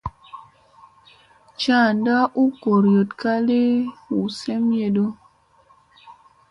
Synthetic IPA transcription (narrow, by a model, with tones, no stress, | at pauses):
t͡ʃa˦˨nda˦ʔu˦ko˨ɾjo˨tka˦le˦hu˨se˦mje˧do˦